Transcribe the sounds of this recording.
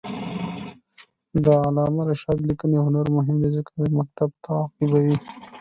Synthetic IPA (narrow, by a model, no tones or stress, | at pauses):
d̪əalɑːmaɾɪʃɑd̪likənjaɦʊnaɾmʊɦɪmd̪ezəkadmak̚t̪ab̚t̪ʰaqɪbawi